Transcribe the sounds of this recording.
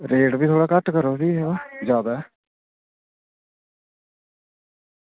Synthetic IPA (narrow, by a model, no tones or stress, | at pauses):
ɾeːʈbiːt̪ʰoːɽaːkəʈkəɾoːt̪iːɦead͡ʒaːd̪aː